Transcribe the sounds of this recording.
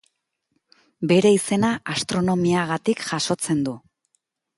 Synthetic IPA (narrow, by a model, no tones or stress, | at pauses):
be̞ɾe̞ise̞naast̪ɾo̞no̞miaɣ̞at̪ikʝaʃo̞t͡se̞nd̪u